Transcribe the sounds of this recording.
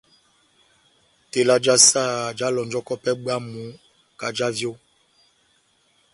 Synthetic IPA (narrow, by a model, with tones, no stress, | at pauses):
te˨la˨d͡ʒa˦sa˦˨d͡ʒa˨˦lɔ˨nd͡ʒɔ˦kɔ˦pɛ˦ɓa˦mu˨˦ | ka˨d͡ʒa˦vjo˦